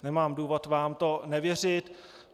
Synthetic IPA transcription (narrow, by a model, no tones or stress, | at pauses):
nɛmaːmduːvo̞t̪vaːmt̪o̞nɛvjɛr̝ɪt̪